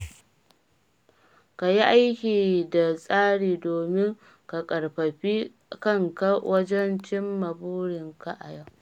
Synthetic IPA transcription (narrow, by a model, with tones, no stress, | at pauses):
ka˨ji˦ʔa˦jkʲiː˨da˨sʼaː˦ɽiː˨doː˨mɪ˦ŋ | ka˨kʼɐ˨ɽɸɐ˨ɸi˦ | kɐ˦ŋka˦wɐ˦d͡ʒɛ˦nt͡ʃɪ˦mːa˨buː˦ɽɪ˨ŋka˨ʔa˨ja˦˨